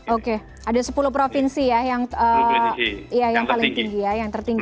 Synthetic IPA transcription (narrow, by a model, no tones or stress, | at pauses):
oke | adasəpulupɾofinsijajaŋə | ijajaŋpalɪŋt̪iŋɡijajaŋt̪ərt̪iŋɡ